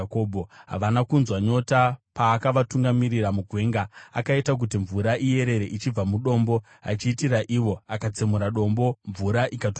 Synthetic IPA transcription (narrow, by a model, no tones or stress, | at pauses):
kobʱo̞ɦa̰ʋanakunzwaɲo̞tapaːkaʋatuŋɡamiɾiramuɡʱwe̞ːŋɡaakaitak̬ut̬iɱvuɾaʔije̞ɾe̞ɾeʔit͡ʃib͡vamuɗo̞ːmbo̞ | a̰t͡ʃiːtiɾaʔiwo̞akat͡semuɾaɗo̞mbo̞ɱvuɾaʔikat